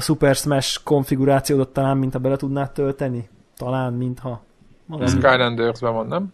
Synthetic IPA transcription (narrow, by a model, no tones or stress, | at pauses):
supɛrsmɛʃko̞ɱfiɡuɾaːt̪sijoːd̪ot̪ːɒlaːmːint̪hɒbɛlɛt̪ud̪naːt̪ːølt̪ɛni | t̪ɒlaːnmint̪hɒ | mɒɡskajlɛnd̪ɛrzbɛʋɒnːɛm